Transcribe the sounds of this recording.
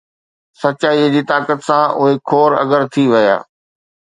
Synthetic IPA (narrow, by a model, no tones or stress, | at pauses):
sɐt͡ɕaːid͡ʑiːt̪aːkət̪sãʊɦekʰoːɾɐ̰ɡəɾt̪ʰiʋɐja̰ː